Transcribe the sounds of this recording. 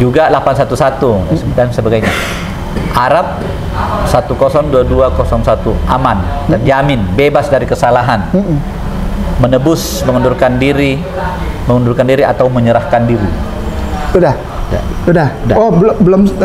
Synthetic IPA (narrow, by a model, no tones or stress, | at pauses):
d͡ʒuɡalapansat̪usat̪udsədansəbaɡajɲa | ʔaɾap̚ | sat̪ukosɔŋduaduakosɔŋsat̪uʔamandand͡ʒiamɪnbebasdaɾikəsalaɦan | mənəbʊs | məŋəndʊrkandiɾi | məŋəndurkandiɾiat̪awməɲəɾahkandiɾi | udah | a̰udahdaoblbəlom